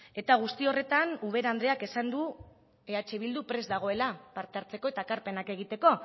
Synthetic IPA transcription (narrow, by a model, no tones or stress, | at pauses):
e̞t̪aɣ̞ust̪io̞re̞t̪anuβe̞ɾand̪ɾeake̞sand̪u | eat͡ʃe̞βild̪upɾe̞zd̪aɣ̞o̞e̞lapaɾt̪eaɾt͡se̞ko̞e̞t̪aːkaɾpe̞nake̞ɣ̞it̪e̞ko̞